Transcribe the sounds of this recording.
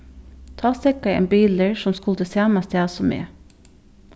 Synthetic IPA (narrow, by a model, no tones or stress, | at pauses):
t̪ʰɑːsɛkɑḛːnbiːləɹsɔmskʊld̪əsæːmɑst̪ʰæːsɔmḛː